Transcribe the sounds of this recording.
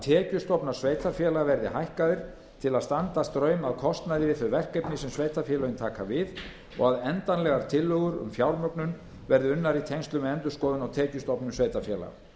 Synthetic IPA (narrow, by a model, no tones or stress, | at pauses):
at̪ʰɛːcʏst̪ɔpnaɾ̥sveːjt̪afjɛːlaɣvɛɾðɪhajhkaðɪɾ̥ | t̪ʰɪlaðst̪ant̪ast̪ɾœːɥmaðkʰɔst̪naðɪvɪðθœɥvɛr̥kɛjpnɪsɛmsveːjt̪afjɛlœʏnt̪ʰaːkavɪð | ɔ̰ɣaðɛnt̪anlɛɣaɾ̥t̪ʰɪlːœɣʏɾʏ̰mfjawɾmœknʏn | vɛɾðɪʏnːaɾit̪ʰejŋst̪lʏmɛɛnt̪ʏskɔːðʏnawt̪ʰɛːcʏst̪ɔpnʏmsveːjt̪afjɛːla̰ɣ